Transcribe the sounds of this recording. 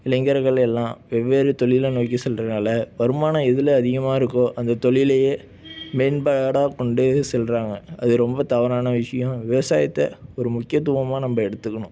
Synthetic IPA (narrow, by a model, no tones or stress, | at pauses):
ɪlɐŋɡɐɾɣɐɭɛlːãːʋɛʋːeːɾɯt̪ɔɭɪlɐnoːkːisɛlɾɐðnaːlɐʋɐɾɯmaːnɐɛðɯlɐɐðɪɣɐmaːɪɾɯkːʊ̃ʔɐnd̪ɐt̪ɔɭɪlɐjeː | meːnbɐɻɽaːkɔɳɖɯsɛlɾaːŋɡɐɐðɯɾɔmbɐt̪ɐʋɐɾaːnɐʋɪʂɐjʊ̃ʋɪʋɐsaːjɐt̪ːɐɔɾɯmʊkːɪjɐt̪ːɯʋɐmaːnɐmbɐɛɽɯt̪ːɯkːɐnʊ̃